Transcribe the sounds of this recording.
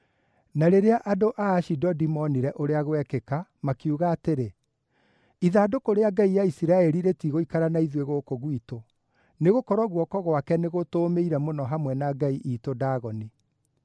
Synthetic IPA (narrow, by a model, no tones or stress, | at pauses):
naɾeɾeaʔadoʔaːʃidɔdimɔniɾɛʔoɾeaɣowɛkekamakiuɣaːteɾe | iðaːdokoɾeaɡaijaisiɾaɛɾiɾetiɣoikaɾanaiðweɣokoɣwito | neɣokɔɾɔɣwɔkɔɣwakɛneɣotoːmeiɾɛmonɔɦamwɛnaɡaiʔiːtodaːɣɔni